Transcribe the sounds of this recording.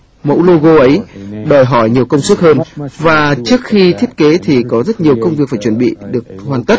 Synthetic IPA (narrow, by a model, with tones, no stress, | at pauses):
mo̰˧˥wlo˧ɣo˧ʔə˨˦jɗɔ˨˩jɦɔ˧˩jɲi˨˩əwkə˧wŋ͡msu˦˥k̚həː˧nvaː˨˩t͡ɕɨ˦˥ək̚xi˧t̪ʰi˦˥ət̚ke˨˦t̪ʰi˨˩kɔ˨˦zə˦˥t̚ɲi˨˩əwkə˧wŋ͡mvi˨˩ək̚faː˧˩jt͡ɕə˧˩nɓḭ˧˨ɗɨ˨˩ək̚hwaː˨˩nt̪ə˦˥t̚